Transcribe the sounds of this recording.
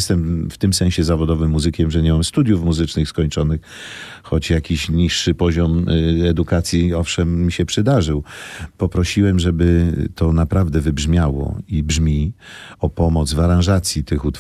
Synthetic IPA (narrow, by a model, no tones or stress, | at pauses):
st̪ɛmft̪ɘmsɛ̃ɕɛzavɔd̪ɔvɘmːuzɘkʲɛmʐɛɲɛmamst̪ud̪ʲjufmuzɘt͡ʂnɘxskɔɲt͡ʂɔnɘx | xɔt͡ɕjakʲiɕɲiʂːɘpɔʑɔmɛd̪ukat̪sʲjiɔfʂɛmːʲiɕɛpʂɘd̪aʐɘwpɔpɾɔɕiwɛmʐɛbɘt̪ʰɔnapɾavd̪ɛvɘbʐmʲjawɔ̰ibʐmʲiɔpɔmɔd̪zvaɾãʐat̪sʲjit̪ɘxut̪